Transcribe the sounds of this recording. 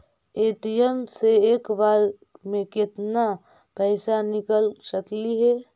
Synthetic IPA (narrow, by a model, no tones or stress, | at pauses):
eʈijemseeːkbaɾ | mẽkɪt̪na | pɛɪsanɪkəlsəkliɦɛ